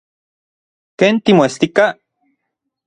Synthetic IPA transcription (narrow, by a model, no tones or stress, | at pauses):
keːnt̪imoest̪ika